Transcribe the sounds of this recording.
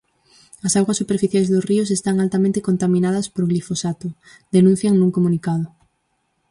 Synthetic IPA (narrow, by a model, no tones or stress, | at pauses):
ɐsaɣwasːupeɾfiθjajzðosriʊs̬est̪aŋalt̪amẽnt̪ekont̪amĩnað̞ɐspoɾɣlifosat̪ʊ | d̪enũn̟θjaŋnuŋkomunikað̞ʊ